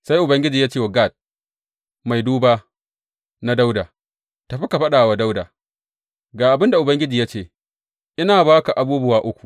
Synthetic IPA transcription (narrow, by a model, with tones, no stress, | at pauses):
sa˦jʔʊ˨bɐ˦ŋɡʲɪ˦d͡ʒiː˨jaː˦t͡ʃeː˦˨wa˨ɡa˦˨t̚ | ma˨jduː˦baː˦ | na˦da˦wdaː˨ | ta˨ɸi˦ka˨ɸɐ˦ɗaː˨wa˨da˦wdaː˨ | ɡaː˨ʔa˨bɪ˦nda˨ʔʊ˨bɐ˦ŋɡʲɪ˦d͡ʒiː˨ja˦t͡ʃeː˦˨ | ʔɪ˦naː˨baː˦ka˨ʔa˨buː˦bʊ˦waː˨ʔʊ˦kʷu̥˨ʔ